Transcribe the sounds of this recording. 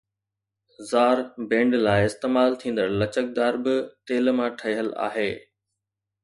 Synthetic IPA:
zaːɾbẽːɳɖlaːɪɪst̪eːmaːlt̪ʰĩːnd̪əɾlɐt͡ɕək̚d̪aːɾbɪt̪eːlmãʈʰɐiɦəla̰ːɦeː

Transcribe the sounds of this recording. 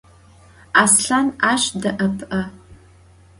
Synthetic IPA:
asɬanaʃʷdaʔɐpʰʼʔɐ

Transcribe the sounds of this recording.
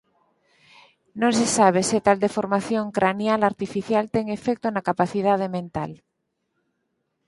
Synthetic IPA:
nõnsesaβ̞eset̪ald̪efoɾmaθjõŋkɾanjalaɾt̪ifiθjalt̪eŋe̞fek̚t̪onakapaθið̞að̞emẽnt̪al

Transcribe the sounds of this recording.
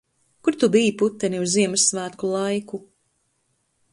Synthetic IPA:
kuɾt̪ubijiput̪ːɛniuzziɛmɨsːvæːt̪kulˠajku

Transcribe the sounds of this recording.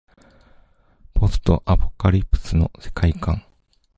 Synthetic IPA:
pʰo̞sɨ̥t̪o̞̰ʔapokaɾʲipːɯ̥t͡sɨno̞se̞̥kaikãŋ

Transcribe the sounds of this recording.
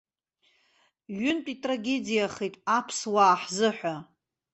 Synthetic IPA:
ɥʏntʼitʼraɡʲe̞dijaχijtʼapʰswaːħzɨħʷᶣa

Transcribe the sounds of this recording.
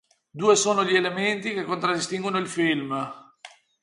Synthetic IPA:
d̪uːesoːnoʎielement̪ikekːont̪ɾad̪ːist̪iŋɡwonoilfilm

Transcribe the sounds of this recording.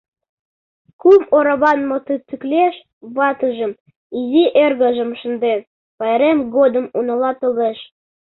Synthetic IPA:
kumoɾɑβɑnmot̪ət͡sykleʃ | βɑt̪əʒə̆m | iziʔerɣə̆ʒə̆mʃə̆nd̪en | pɑjeɾemɣod̪ə̆munɤ̆lɑt̪ɤleʃ

